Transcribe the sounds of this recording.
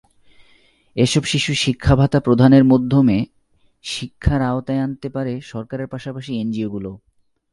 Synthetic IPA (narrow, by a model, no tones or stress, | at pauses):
eʃɔbʃiʃuʃikʰːabʱat̪apɾod̪ʱaneɾmod̪ʱːome | ʃikʰːaɾaot̪aeant̪epaɾeʃɔɾkaɾeɾpaʃapaʃiend͡ʑioɡulo